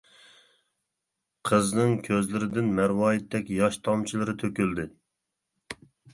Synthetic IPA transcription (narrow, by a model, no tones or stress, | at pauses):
qʰəznɨŋkʲʰøzlɪɾɪd̪ɪnmæɾwɑːjit̪ːɛkʲjɑʃt̪ʰɑmt͡ʃʰilˠɨɾɨt̪ʰøkʲyld̪ɪ